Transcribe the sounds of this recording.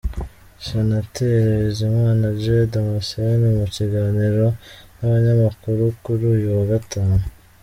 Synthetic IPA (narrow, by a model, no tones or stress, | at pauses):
senateɾeezemwaːnad͡ʒedomasenimuciɡaːniɾo̞naβaɲamakuɾukuɾuːjuwaɡataːnu